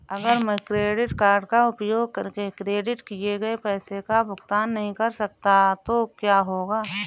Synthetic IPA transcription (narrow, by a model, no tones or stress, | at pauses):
ɐɡəɾmɛ̃kɾeːɖɪʈkaːɾɖkaʊpjoːɡkəɾkekɾeːɖɪʈkieɡɐepɛːsekabʊkt̪aːnːɐɦĩkɐɾsɐk̚t̪at̪okjaːɦoːɡaː